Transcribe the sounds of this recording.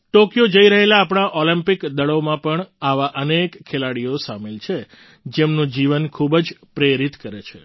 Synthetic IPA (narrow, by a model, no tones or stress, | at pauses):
ʈokjod͡ʒəiɾəɦelaːpɳ̃aʔolimpɪkd̪əɭomãpəɳaʋaʔənekkʰːelaɽijosamelt͡ʃʰe | d͡ʒemnũd͡ʒiʋənkʰubəd͡ʒpɾeɾit̪kəɾet͡ʃʰḛ